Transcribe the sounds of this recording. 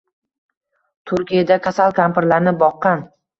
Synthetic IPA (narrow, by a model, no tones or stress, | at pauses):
t̪ʰʊɾkʲijad̪akʰasalˠkʰampɾlaɾnɪbɒqːɑn